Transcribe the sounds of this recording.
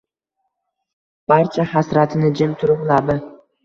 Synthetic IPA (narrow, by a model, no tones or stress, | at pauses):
b̥aɾt͡ʃʰahasɾat̪ʰɪnɪd͡ʒɪmt̪ʰʊɾʊʁlad̪ɪ